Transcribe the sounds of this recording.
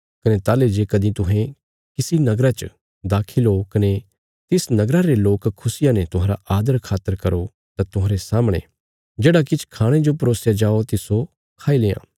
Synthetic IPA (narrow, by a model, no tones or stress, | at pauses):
kɐnet̪aːled͡ʒeːkɐd̪ĩt̪ʊɦẽ | kɪsinɐɡɾat͡ʃ | d̪aːkʰilokɐne | t̪ɪsnɐɡɾaɾeloːkkʰːʊsɪjãnɛt̪ʊɦãːɾa̰ʔaːd̪əɾkʰaːt̪ːəɾkɐɾo | t̪at̪ʊɦãːɾesaːməɽ̃ḛ̃ | d͡ʒeːɽakɪt͡ʃʰkʰaːɽ̃ẽd͡ʒopɐɾoːsjad͡ʒaːot̪ɪso | kʰaːileːã̰ː